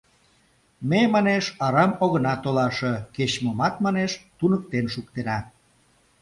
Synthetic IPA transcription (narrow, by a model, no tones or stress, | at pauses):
memɑneʃɑɾɑmoɣənɑt̪olɑʃeket͡ɕmomɑt̪mɑneʃt̪unək̚t̪enʃuk̚t̪enɑ